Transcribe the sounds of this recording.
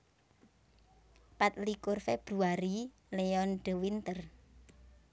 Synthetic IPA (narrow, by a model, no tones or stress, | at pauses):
pat̪̚likʊrfeb̥ɾuaɾi | leɔnɖə̤wint̪ər